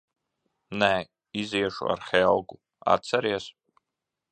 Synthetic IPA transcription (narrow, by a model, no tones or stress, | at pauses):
naʕ | izijaʂṵa̰rχʲejalɡʷʼu | a̰t͡sʰaɾias